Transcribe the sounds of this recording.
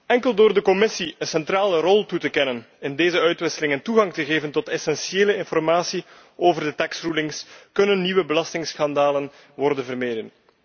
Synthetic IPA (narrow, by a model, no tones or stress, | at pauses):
ɛŋkəlˠdoːrdəkɔmɪsiənsɛntraːlərɔlˠtutəkɛnən | ɪndeːzəœɥtʋɪsəlɪŋəntuɣɑŋtəɣeːvəntɔtɛsɛnsieːləɪnfɔrmaːsi | oːvərdətɛksrulɪŋskɵnənːiʋəbəlɑstɪŋsxɑndaːlən | ʋɔrdənvərmeːdən